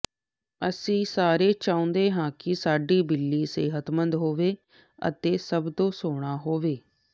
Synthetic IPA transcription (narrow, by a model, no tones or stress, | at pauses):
əsĩːsaːɾeːt͡ʃaːõːnd̪eːɦãːkɪsaːɖiːbɪlːiːsḛːɦət̪mənd̪ɦoːʋeː | ə̰t̪eːsəbd̪õːsoːɽ̃aːɦoːʋeː